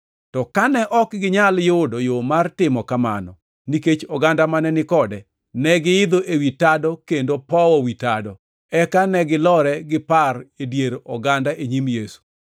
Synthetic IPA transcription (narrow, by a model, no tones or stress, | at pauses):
tɔkanɛʔɔkɡɪɲaljʊdojomartɪmɔkama̰nɔ̰ | niket͡ʃɔɡandamanɛnɪkɔdɛ | nɛɡɪɪd̪oʔewitadɔkendopɔwɔwitadɔ | ɛkanɛɡɪlɔɾɛɡɪparedjeɾɔɡandaʔeɲimjesu̥